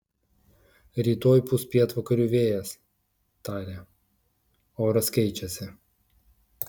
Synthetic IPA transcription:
ɾʲiːt̪oːjpʊspʲiɛt̪ʋɐkɐɾʲuʋʲeːjɛs | t̪ɑːɾʲeː | oːɾɐsʲkʲɛɪt͡ʃʲɛsʲɪ

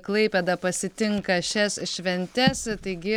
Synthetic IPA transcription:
klˠɐɪpʲed̪ɐpɐsʲɪt̪ʲɪŋkɐʃʲɛsʃʲʋʲɛnʲt̪ʲɛst̪ɐɪɡʲɪ

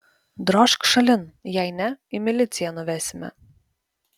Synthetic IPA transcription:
d̪ɾɔːʃkʃɐlʲɪnjɛɪnʲɛɪmʲɪlʲɪt̪ʲsʲɪjɛnʊʋʲæːsʲɪmʲɛ̰

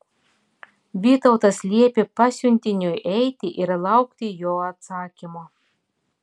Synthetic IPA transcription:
bʲiːt̪ɔʊt̪ɐslʲiɛpʲɪpɑsʲʊnʲt̪ʲɪnʲʊjʔɛjt̪ʲiʔɪɾlˠɑʊkt̪ʲijoːɐt̪sɑːkʲimo

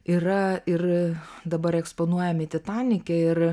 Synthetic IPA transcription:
iːɾɐɪrd̪ɐbɐɾɛksponuɔjɛmʲɪt̪ʲɪt̪ɑːnʲɪkʲɛɪr

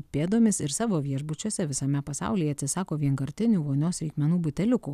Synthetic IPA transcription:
pʲeːd̪oːmʲɪsɪɾsɑːʋoːʋʲiɛʒbʊt͡ʃʲuɔsʲɛʋʲɪsɐmʲɛpɐsɑ̰ʊlʲiːjɛɐt̪sʲɪsɑːkoːʋʲiɛnkɐɾʲt̪ʲɪnʲuːʋoːnʲoːsɾʲɛɪkmʲɛnuːbʊt̪ʲɛlʲʊkuː

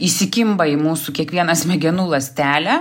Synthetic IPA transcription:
isʲɪkʲɪmbɐimuːsukʲiɛkʋʲiɛnɐsmʲɛɡʲɛnuːlˠɐsʲt̪ʲæːlʲæ

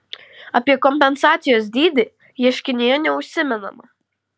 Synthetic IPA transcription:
ɐpʲiɛkɔmʲpʲɛnsɑːt̪sʲɪjoːs̬ʲd̪ʲiːd̪ʲɪ | jiɛʃʲkʲɪnʲɪjɛnʲɛʊʃʲsʲɪmʲɛnɐ̰mɐ

